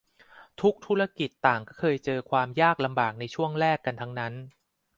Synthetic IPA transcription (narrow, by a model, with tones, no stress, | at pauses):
t̪ʰu˦˥k̚t̪ʰu˦˥ɾa˥ki˨˩t̪ːaː˨˩ŋkɔː˥˩kʰɤː˧jt͡ɕɤː˧kʰwaː˧mjaː˥˩k̚la˧mbaː˨˩k̚na˧jt͡ɕʰu˥˩əŋɾɛː˥˩kːa˧nt̪ʰa˦˥ŋna˦˥n